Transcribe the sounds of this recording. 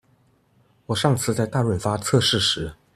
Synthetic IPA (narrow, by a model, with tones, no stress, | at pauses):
wɔ˨˩ʂɑ˥˧ŋt͡sʰɹ̩˥˧t͡sa˥˧ɪt̪a˥˩ɻwə˨˩nfa˥t͡sʰɤ˥˧ʂɻ̩˥˩ʂɻ̩˧˥